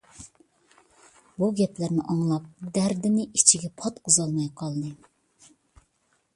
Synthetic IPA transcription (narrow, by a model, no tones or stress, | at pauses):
buɡʲɛplæɾnɪʔɑŋlˠɑp̚d̪æɾd̪ɪnɪʔit͡ʃʰiɡʲɛpʰɑt̪quzɑlˠmɑjqʰɑlˠnɨ